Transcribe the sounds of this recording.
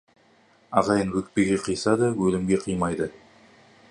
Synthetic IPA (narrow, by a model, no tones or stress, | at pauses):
ɑʁɑjənwɵk̪̚pe̞ɡʲe̞qʰijsɑd̪əwɵlɪmɡʲe̞qʰijmɑjd̪ə